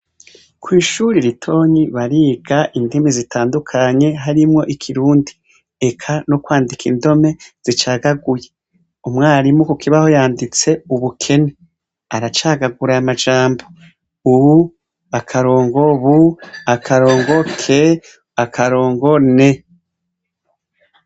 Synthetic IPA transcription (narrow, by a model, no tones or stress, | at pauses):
kwiːʃuɾiɾitʰo̞ːɲiβaɾiːɡ̥aʔindimizitʰaːndukʰaɲe̞ɦaɾimŋo̞ʔikʰiɾuːndi | ekʰanokwaːndikindo̞me̞z̥it͡ʃaːɡaɡuje | umŋaːɾimukukʰiβaho̞jaːndit͡se̞uβukʰe̞ne | aɾat͡ʃaːɡaɡuɾaamad͡ʒaːmbo̞ | uβu | akʰaɾo̞ːŋɡo̞βuakʰaɾo̞ːŋɡo̞kʰe̞ | akʰaɾo̞ːŋɡo̞ne̞